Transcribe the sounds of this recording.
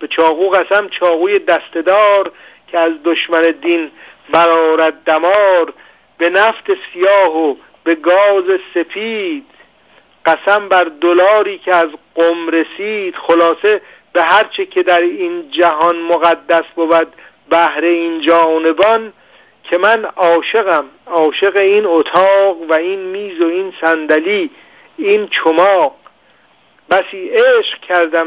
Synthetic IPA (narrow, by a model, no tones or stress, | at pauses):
b̥et͡ʃʰɒːɣuːɣæsæmt͡ʃʰɒːɣuːje̞d̪æst̪e̞d̪ɒːɾcʲʰeæzd̪oʃmæne̞d̪inbæɾɒːɾæd̪̚ːæmɒːɾ | be̞næft̪e̞sijɒːɦo | be̞ɡɒːze̞se̞fiːd̪̥ | ɢ̥æsæmbæɾd̪olɒːɾiːcʰeæzɢomɾe̞siːd̪̥xolɒːse̞ | b̥eɦæɾt͡ʃʰekʰe̞d̪æɾind͡ʒæɦɒnmoɣæd̪ːæsbobæd̪ | bæhɾe̞iːnd͡ʒɒːne̞bɒn | kʰe̞mænɒːʃe̞ɣæmɒːʃe̞ɣeiːnot̪ʰɒːɣvæinmiːzoiːnsænd̪æliː | iːnt͡ʃʰomɒːq | bæsiːeːʃq̚cʰæɾd̪æm